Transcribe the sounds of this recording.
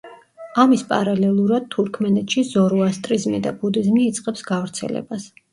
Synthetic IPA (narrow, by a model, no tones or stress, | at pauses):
amispʼa̰ɾalɛlˠuɾad̪̥̚t̪ʰuɾkʰmɛnɛt̪ʃizɔɾuast̪ʼɾizmḭd̪a̰bud̪izmiːt̪sʼqʼɛpsɡavɾt̪sʰɛ̰lɛ̰bas